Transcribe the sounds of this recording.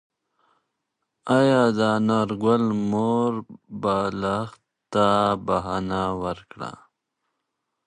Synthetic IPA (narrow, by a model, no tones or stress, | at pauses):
ajad̪anaɾɡalmoɾbalax | t̪abaɦanawəɾkɽa̰